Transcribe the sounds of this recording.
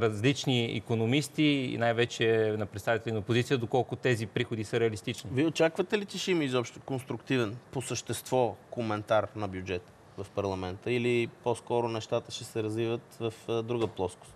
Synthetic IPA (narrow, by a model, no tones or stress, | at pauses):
ɾɐzlit͡ʃniḭkonomist̪iḭnajvɛt͡ʃɛnɐpɾɛt̪st̪avit̪ɛlʲinəopozit̪sijəd̪okɔlˠkʊt̪ɛzipɾixod̪isəɾɛɐlist̪it͡ʃniviot͡ʃakvət̪ɛlit̪iʃiməizɔpʃt̪okonst̪ɾʊkt̪ivɛnposəʃt̪ɛst̪vɔkomɛnt̪aɾnɐbjud͡ʒɛt̪ə̥ | vɐfpɐɾlˠɐmɛnt̪əiliposkɔɾʊnɛʃt̪at̪əʃɛsɛɾɐzvivət̪vɐfd̪ɾuɡəplˠɔsko̥s